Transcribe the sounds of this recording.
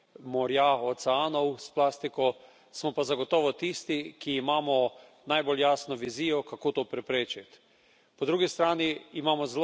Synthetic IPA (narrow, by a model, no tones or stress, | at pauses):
mɔɾjaosɛaːnɔwsplaːst̪ikɔ | smɔpazaɡot̪ɔːʋɔt̪ist̪ikiːmaːmɔ | najboljaːsnɔʋiziːjɔkakoːt̪oːpɾɛpɾeːt͡ʃit̪ | pɔd̪ɾuɡist̪ɾaːniːmaːmɔzl